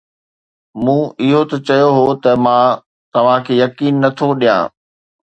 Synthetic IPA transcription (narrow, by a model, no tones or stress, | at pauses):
mũːɪɦot̪ɐt͡ɕɐjoɦot̪ɐmãː | t̪ɐʋ̤ãkʰeːjɐkiːnːɐt̪ʰoɗijã̰ː